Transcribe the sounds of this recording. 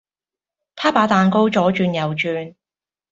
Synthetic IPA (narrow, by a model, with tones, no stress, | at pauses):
p̪ʰaː˥paː˨˥t̪aː˨˧nko˥wt͡ʃɔː˨˥t͡ʃyː˧njɐ˨wt͡ʃyː˨˧n